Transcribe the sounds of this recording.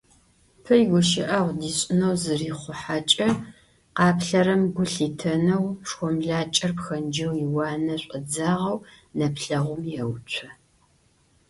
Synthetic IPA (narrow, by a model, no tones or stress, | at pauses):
pʰɐjɡʷʊʃɪʔɐʁʷdiːɕʼɪnɐwzɨriːχʷʊħat͡ʃʼɐ | qɑːpɬɐɾɐmɡʷʊɬiːtʰɐnɐwʂxʷɔmɮaːt͡ʃʼɐrpxɐnd͡ʒɐwjiwɑːnɐɕʷʼəd͡zaːʁɐw | nɐpɬɐʁʷʊmjɛwt͡ʃʷʰɐ